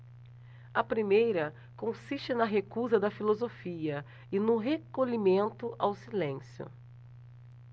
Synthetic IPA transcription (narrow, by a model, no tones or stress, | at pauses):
ɐpɾimejɾɐ | kõsiʃt͡ʃɪnɐɦekuzɐd̪ɐfilozofiɐ | ɪnʊɦekoʎimẽnt̪ʊʔawsilẽsjʊ̰